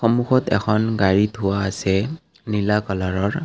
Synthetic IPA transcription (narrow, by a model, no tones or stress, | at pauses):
xɔmuxɔtɛ̰kʰɔnɡaɹitʰʊwaːsɛ | nilakɔlaɹɔɹ